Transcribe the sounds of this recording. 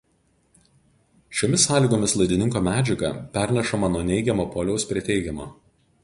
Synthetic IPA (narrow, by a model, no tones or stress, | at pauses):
ʃʲoːmʲɪsːɑːlʲiːˑɡoːmʲɪslˠɐɪd̪ʲɪnʲɪŋkoːmʲæːd͡ʒʲɛɡɐ̰ˑpʲæɾʲnʲɛʃɐmɐnuɔnʲɛɪɡʲɛmoːpɔːlʲɛʊspʲɾʲiɛt̪ʲɛɪɡʲɛmo̰ː